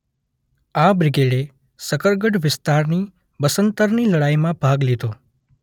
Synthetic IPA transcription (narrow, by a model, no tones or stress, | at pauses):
abɾɪɡeɖe | səkəɾɡəʈʋɪst̪aɾni | bəsənt̪əɾniləɽaimãbʱaɡlid̪ʱo